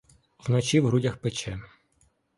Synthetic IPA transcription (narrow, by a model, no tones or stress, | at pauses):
wnɔt͡ʃiwɦɾudʲɐxpet͡ʃɛ